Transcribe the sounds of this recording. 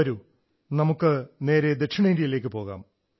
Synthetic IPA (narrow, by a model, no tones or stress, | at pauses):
ɐɾu | nɐmukːɨne̞ːɾe̞d̪e̞ʈʂiɳeːnɾijile̞ːk̬ʲːɨpo̞ːɣa̰ːm